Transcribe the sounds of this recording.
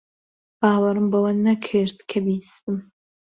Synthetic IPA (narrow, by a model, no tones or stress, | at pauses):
baːlɐɾɨmbɐwɐnnːɐkʰeːrtʰkʰɐbiːstʼɨm